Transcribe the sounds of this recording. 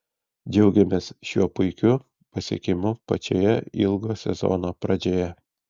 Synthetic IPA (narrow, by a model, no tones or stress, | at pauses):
d͡ʒʲɛʊɡʲɛmʲeːsʃʲuɔpʊɪkʲʊ | pɐsʲḭkʲɪmʊpɐt͡ʃʲo̰ːjɛɪlˠɡoːsʲɛ̰zo̰nopɾɐd͡ʒʲoːjɛ